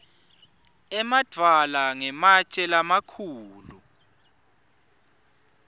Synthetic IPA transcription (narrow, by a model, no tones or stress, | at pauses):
ɛmad̥ʱwalaŋɛmat͡ʃʼɛlamakʰuːlu